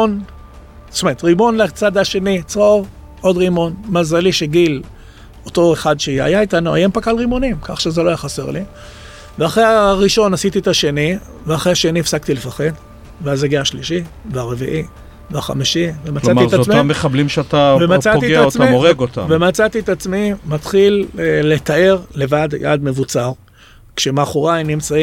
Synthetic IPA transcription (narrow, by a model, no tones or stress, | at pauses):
on | smet̪ʁimo̞nlat͡sad̪aʃe̞nit͡sʁoʁ | o̞d̪ʁimo̞nmazaliʃeɡil | o̞t̪o̞eχad̪ʃea̰jait̪anua̰jempakalʁimo̞nimkaχʃezeloajaχase̞ʁli | veaχʁejaʁiʃo̞nasit̪iet̪aʃe̞ni | veaχʁeaʃe̞niefsakt̪ile̞faχe̞d̪ | veazaɡeaaʃliʃiveaʁe̞vḭʔi | veaχa̰miʃivemat͡slamietamamːeχablimʃeat̪avemat͡saiɡeataoʁeɡot̪a̰mvemat͡sat̪iet̪at͡smimat̪χille̞t̪ae̞ʁle̞vadja̰d̪me̞vut͡saʁ | kʃemaχuʁajnimt͡sai